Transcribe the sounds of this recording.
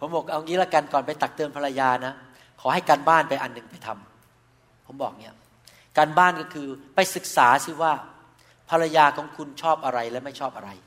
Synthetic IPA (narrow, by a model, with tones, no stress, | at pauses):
pʰo˩˦mbo˨˩k̚ʔa˧wŋiː˦˥la˦˥˩ka˧nkɔː˨˩npa˧jt̪a˨˩k̚t̪ɯː˧npʰa˧ɾa˧jaː˧na˦˥ | kʰɔː˩˦ɦa˥˩jkaː˧nbaː˥˩npa˧jʔa˧nːɯ˨˩ŋpa˧jt̪ʰa˧m | pʰo˩˦mbɔ̰ː˨˩k̚ni˦˥ɐ | kaː˧nbaː˥˩nkɔ˥˩kʰɯː˧pa˧jsɯ˨˩k̚saː˩˦si˧˥˩waː˥˩ | pʰa˧ɾa˧jaː˧kʰɔː˩˦ŋkʰu˧nt͡ɕʰɔː˥˩p̚ʔa˧ɾa˧jlɛ˦˥ma˥˩jt͡ɕʰɔː˥˩p̚ʔa˧ɾa˧j